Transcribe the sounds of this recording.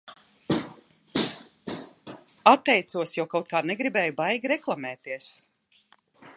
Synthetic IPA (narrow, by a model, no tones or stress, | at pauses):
at̪ːɛjt̪suɔsjawkawt̪̚kaːnɛɡɾibɛːjubajɡʲɾɛklˠamɛːt̪iɛəs